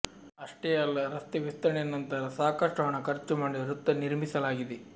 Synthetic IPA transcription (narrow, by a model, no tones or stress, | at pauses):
ɐʂʈejɐɐlːɐɾɐst̪eʋist̪ɐɾɐɳenːɐnt̪ɐɾɐsaːkɐʂʈɐʋɐɳɐkɐɾt͡ʃumaːɖiɾut̪ːɐniɾmisɐlaːɡid̪e